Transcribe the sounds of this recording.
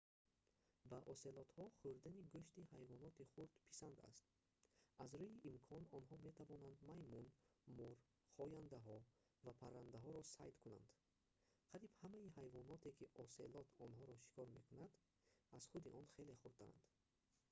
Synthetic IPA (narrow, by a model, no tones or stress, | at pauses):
baʔɔse̞lɔt̪hɔχuɾd̪aniɡuʃt̪ihajvɔnɔt̪iχuɾd̪̥pʰi̥sand̪a̰st̪̚ | azɾuiʔimkʰɔnɔnɦɔme̞t̪ʰavɔnand̪majmunmuɾ | χɔjand̪aɦɔ | vapʰaɾand̪aɦɔɾɔsa̰jd̪kʰuna̰nd̪̥ | qʰaɾibhamaiɦajvɔnɔt̪ʰe̞kʰiʔɔselɔt̪ʰɔnɦɔɾɔʃi̥kʰɔɾme̞kʰunad̪ | az̥χud̪iʔɔnχe̞le̞χuɾd̪aɾa̰nd̪̥